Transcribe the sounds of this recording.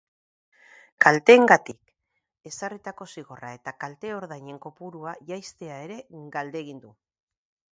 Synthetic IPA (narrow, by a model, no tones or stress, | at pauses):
kalt̪e̞ŋɡat̪ik | e̞sarit̪ako̞siɣ̞o̞rae̞t̪akalt̪e̞o̞ɾðajɲe̞ŋko̞puɾuaʝajst̪e̞ae̞ɾe̞ɡald̪e̞ːɣ̞ind̪u